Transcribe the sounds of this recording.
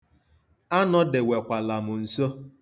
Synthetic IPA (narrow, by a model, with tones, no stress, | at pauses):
a˦nɔ˦dɪ˨we˨kʷa˨la˨mʊ˨n̩˨so˦